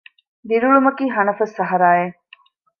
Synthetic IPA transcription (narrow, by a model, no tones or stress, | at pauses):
d̪iɾuɭumɐkiːɦɐnɐfɐsːɐɦɐɾaːje